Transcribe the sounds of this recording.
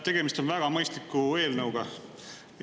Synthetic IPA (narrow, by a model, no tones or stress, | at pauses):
t̪e̞ɡ̥e̞mist̪o̞nvæɡ̥ɑmɤjst̪likːˑue̞ːlnɤwɡ̥ɑ